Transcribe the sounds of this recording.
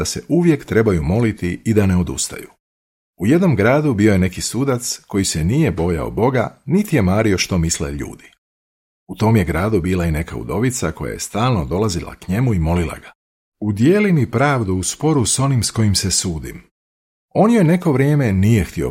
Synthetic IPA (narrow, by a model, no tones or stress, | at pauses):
d̪aseʔuʋje̞kt̪ɾe̞bajumo̞lit̪iid̪ane̞o̞d̪ṵst̪a̰jṵ | uje̞d̪no̞mɡɾaːd̪ubio̞je̞ne̞kisuːd̪at̪sko̞jise̞nije̞bo̞ja̰o̰d̪bo̞ɡanit̪ije̞maːɾio̞ʃt̪o̞mislḛʎṵːd̪i | ut̪o̞ːmje̞ɡɾaːd̪ubiːlˠaine̞ka̰ṵd̪o̞ʋit̪sako̞̰ja̰je̞st̪aːlˠno̞d̪o̞lˠazilˠa̰kɲe̞muimo̞lilˠa̰ɡa | ud̪jeːlimipɾaːʋd̪uuspo̞ɾuso̞nimsko̞jimse̞suːd̪ḭm | o̞njo̞jne̞ko̞ʋɾje̞ːme̞nije̞xt̪io̰